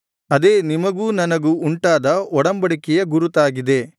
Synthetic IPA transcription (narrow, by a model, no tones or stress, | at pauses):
ɐd̪eːnimɐɡuːnɐnɐɡuːɳʈaːd̪ɐɔɽɐmbɐɽikɛjɐɡuɾut̪aːɡid̪e̞